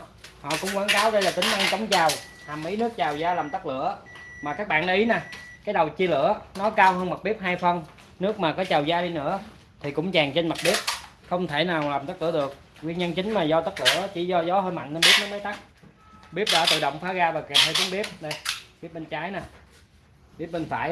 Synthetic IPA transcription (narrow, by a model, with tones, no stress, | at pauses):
hɔ̰˧˨kʊ̰˧˥ŋ͡mkwaː˨˦nkaː˨˦wɗə˧jlaː˨˩t̪ï˨˦ŋ̟ʔa˧nt͡ɕə˨˦wŋ͡mt͡ɕaː˨˩wh̪ʰa˨˩mʔi˨˦nɨ˦˥ək̚t͡ɕaː˨˩wzaː˧laː˨˩mt̪ə˦˥k̚lɨ̰˧˨˥əmaː˨˩kaː˦˥k̚ɓa̰ː˧˨nɗaː˧ʔi˨˦naː˨˩kaː˨˦jɗə˨˩wt͡ɕi˧lɨ̰˧˥ənɔ˨˦kaː˧whəː˧nma˨˩t̚ɓi˦˥əp̚ɦaː˧jfə˧n | nɨ˦˥ək̚maː˨˩kɔ˨˦t͡ɕaː˨˩wzaː˧ɗi˧nɨ̰˧˥ə | t̪ʰi˨˩kʊ̰˧˥ŋ͡mt͡ɕaː˨˩ŋt͡ɕe˧nma˨˩t̚ɓi˦˥əp̚ | xə˧wŋ͡mt̪ʰe˧˩naː˨˩wlaː˨˩mt̪k̚lɨ̰˧˥əɗɨ˨˩ək̚ː | wi˧nɲə˧nt͡ɕï˨˦ŋ̟maː˨˩zɔ˧t̪ə˦˥k̚lɨ̰˧˨ə˦t͡ɕi˧˩zɔ˧zɔ˨˦ɦəː˧jma̰˧˨nʔə˧nɓi˦˥əp̚nɔ˨˦mə˨˦t̪a˦˥k̚ | ɓi˦˥əp̚ɗa̰ː˧˩t̪ɨ̰˧˨ɗo̰˧˨wŋ͡mfaː˨˦ɣaː˧vaː˨˩kɛ˨˩p̚həː˧jt͡ɕ̪ɨ˨˦nɓi˦˥əp̚ɗə˧jɓi˦˥əp̚ɓe˧nt͡ɕaː˨˦jnaː˨˩ | ɓi˦˥əp̚ɓe˧nfa̰ː˧˩j